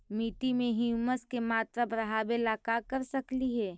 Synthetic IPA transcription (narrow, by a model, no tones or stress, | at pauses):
miːʈimẽɦiuməskemaːt̪ɾabɾəɦaːbelaːkakəɾsəkliɦɛː